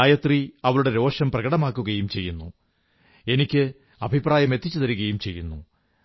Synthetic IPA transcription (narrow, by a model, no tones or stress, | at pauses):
aːjɐt̪riɐʋɐɭuɽe̞ɾo̞ːʂɐmprɐɣɐɽɐmaːkːuɣɐjumt͡ɕe̞jːunːu | e̞nikʲːɨ | ɐbʱipraːjɐme̞t̪ːit͡ɕːut̪ɐɾuɣɐjumt͡ɕe̞jːunːu